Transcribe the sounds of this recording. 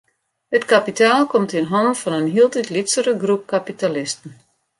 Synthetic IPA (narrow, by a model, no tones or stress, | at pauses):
hətkapitaːlˠkɔmtɪnɦɔnfɔnənɦiəlˠtitlitsəɾəɡrup̚kapitalɪstən̩